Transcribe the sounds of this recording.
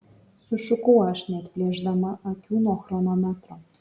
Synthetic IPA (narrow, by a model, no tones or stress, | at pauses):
suʃukoɑʃnʲet̪plʲeʒd̪ɑmɑʔɑkʲunoxronɑmɑt̪ro